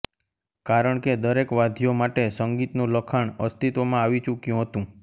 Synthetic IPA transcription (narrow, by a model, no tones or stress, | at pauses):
kaɾəɳked̪əɾekʋad̪ʱijomaʈesəŋɡit̪nũləkʰaɳəst̪it̪ʋomãaʋit͡ʃukjũɦət̪ũ